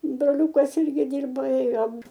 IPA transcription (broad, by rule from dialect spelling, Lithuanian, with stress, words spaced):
broːˈlʲuːkɐs ˈɪrʲɡʲɪ ˈdʲiːrbɐ ˈeːjoːm